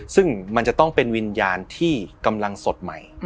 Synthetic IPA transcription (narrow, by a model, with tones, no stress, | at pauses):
sɯ˥˩ŋma˧nt͡ɕa˨˩t̪ɔ˥˩ŋpe˧nwi˧njaː˧nt̪ʰiː˥˩ka˧mla˧ŋso˨˩t̪̚ma̰˨˩j